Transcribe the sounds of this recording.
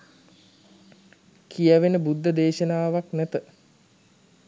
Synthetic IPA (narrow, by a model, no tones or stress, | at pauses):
kʰijaʋenəbud̪ʱːəd̪eːʃənaːʋaknæt̪ə